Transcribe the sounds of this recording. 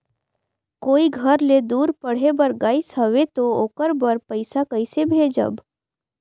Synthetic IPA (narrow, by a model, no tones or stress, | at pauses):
koːiɡʱəɾled̪uːɾpəɽ̤ebəɾɡaːjsɦəʋet̪ookəɾbəɾpəɪsakəɪsebʱed͡ʒə̰b